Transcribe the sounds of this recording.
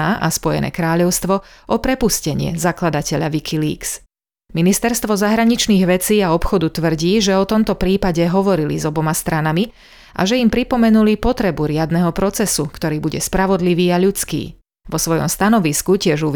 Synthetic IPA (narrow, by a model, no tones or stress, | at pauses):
aʔaspɔjɛ̰nʔɛ̰ːkɾaːʎɔʊst̪ʋɔʔɔpɾɛpuscɛɲɪɛ̰zaklad̪acɛʎa̰ʋikʰilḭːks | minist̪ɛɾst̪ʋɔzaɦɾaɲit͡ʃniːɣʋɛt͡siːaɔpxɔd̪ut̪ʋr̩ɟiːʒɛɔt̪ɔmt̪ɔpɾiːpaɟɛɦɔʋɔɾilḭzɔbɔmast̪ɾanami | ʔa̰ʒɛimpɾipɔmɛnulipɔt̪ɾɛbuɾɪad̪nɛɦɔpɾɔt͡sɛsukt̪ɔɾiːbuɟɛspɾaʋɔd̪liʋiːaʎut͡skḭː | ʋɔsʋɔjɔ̰mst̪anɔʋiskucɪɛʒuʋ